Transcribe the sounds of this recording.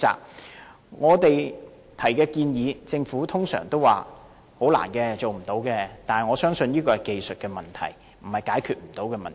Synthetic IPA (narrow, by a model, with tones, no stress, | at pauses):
a̰ː˨k̚ | ŋɔː˨˧t̪e˨j | t̪ʰɐ˨˩jkɛː˧kiː˧njiː˨˧t͡sɪ˧ŋfuː˨˥t̪ʰʊ˥ŋsœ̰ː˨˩ŋt̪o˥wa̰ː˨ | ho˨˥wla̰ː˨˩nkɛː˧t͡so˨wm̩˨˩t̪o˨˥wkɛː˧t̪aː˨n˨ŋɔː˨˧sœː˥ŋsɵ˧njiː˥kɔː˧hɐ˨jke˨jsɵ˨t̚kɛː˧mɐ˨nt̪ʰɐ̰˨˩j | m̩˨˩hɐ˨˩jkaː˨˥jkʰyː˨˧t̚m̩˨˩t̪o˨˥wkɛː˧mɐ̰˨n